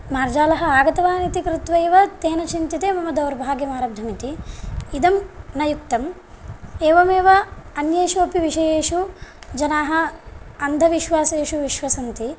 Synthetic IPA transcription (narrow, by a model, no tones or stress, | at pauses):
maːɾd͡ʒaːlɐɦɐaːɡɐt̪ɐʋaːnit̪ikɾut̪ʋɐjʋɐt̪eːnɐt͡ʃint̪it̪eːmɐmɐd̪ɐʋɾbʱaːɡjɐmaːɾɐbd̪ʱɐmit̪iid̪ɐmnɐjukt̪ɐm | eːʋɐmeːʋɐɐnjeːʃuɐpiʋiʂɐjeːʃud͡ʒɐnaːɦɐ̆ːnd̪ʱɐʋiʃʋaːseːʃuʋiʃʋɐsɐnt̪i